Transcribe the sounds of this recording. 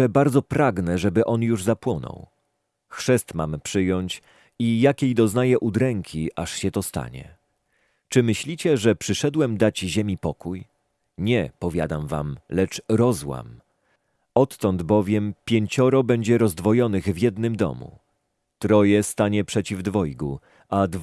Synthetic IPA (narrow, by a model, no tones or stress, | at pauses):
ɛbaɾd̪zɔpɾaɡnɛʐɛbɘʔɔnjuʐzapwɔnɔ̰w | xʂɛst̪ma̰mpʂɘjɔɲt͡ɕ | ijakʲejd̪ɔznajɛʔud̪ɾɛŋkʲʰiʔaʂɕɛt̪ɔst̪a̰ɲɛ̰ | t͡ʂɘmɘɕlʲit͡ɕɛʐɛpʂɘʂɛd̪wɛmd̪at͡ɕʑemʲipɔkuj | ɲɛpɔvʲja̰d̪amva̰mlɛt͡ʂɾɔzwa̰m | ɔt̪ːɔnd̪bɔvʲjɛmpʲjeɲt͡ɕɔɾɔbɛɲd͡ʑɛɾɔzd̪vɔjɔnɘɣvʲjɛd̪nɘmd̪ɔ̰mṵ | t̪ɾɔjɛst̪aɲɛpʂɛt͡ɕivd̪vɔjɡu | ad̪